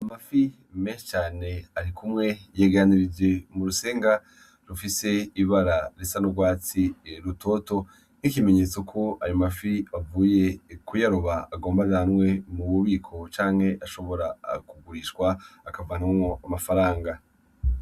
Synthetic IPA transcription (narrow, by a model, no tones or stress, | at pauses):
amafi | meːʃe̥t͡ʃaːne̞aɾikʰumŋe̞jeɡeɾaniɾid͡ʒe̞muɾuseːŋɡa | ɾufise̞iβaɾaɾisanoɡwaːt͡siɾuto̞ːto̞ | nikime̞ɲet͡so̞kʰo̞ajomafiavuːje̞kujaɾoβaaɡo̞ːmbaanŋwe̞muβuβiːkʰo̞t͡ʃaːŋ̥he̞ʔaʃo̞βo̞ɾa̰kuɡuɾiʃwaːkavanaumoamafaɾaːŋɡa